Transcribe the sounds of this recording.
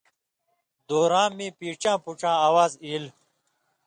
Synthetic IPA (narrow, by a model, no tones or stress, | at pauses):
d̪oːɾãːmĩːpiːʈ͡ʂãːpuʈ͡ʂãːaːwaːziːl